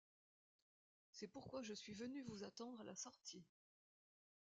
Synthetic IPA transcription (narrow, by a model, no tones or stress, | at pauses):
sɛpuʁkwaʒəsɥivənyvuzat̪ɑ̃d̪ʁalasɔʁt̪ʰi